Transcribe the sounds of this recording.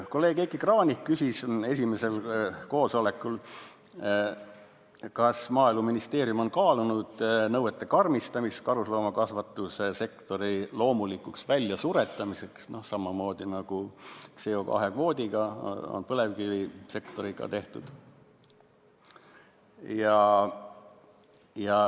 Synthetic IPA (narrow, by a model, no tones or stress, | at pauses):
ko̞lːe̞ːɡ̥ekːikrɑːnʲihkysʲise̞s̬ʲimese̞lko̞ːso̞le̞kːˑul | kɑsmɑːiluminist̪e̞ːɾjumo̞nkɑːlunud̪̥nɤwet̪ˑːe̞kɑrmist̪ɑmist̪kɑɾuslo̞ːmɑkɑsvɑt̪ːˑusese̞kt̪o̞ɾilo̞ːmulikːˑuksvælʲjɑsuɾe̞t̪ːˑɑmise̞ksno̞sɑmɑmo̞ːd̪̥inɑɡ̥ut̪seo̞kɑ̰ɦe̞kvo̞ːd̪̥ʲiɡ̥ɑo̰npɤle̞vkilise̞kt̪o̞ɾiɡ̥ɑ̰t̪e̞ht̪ud̪̥ | jɑ | jɑ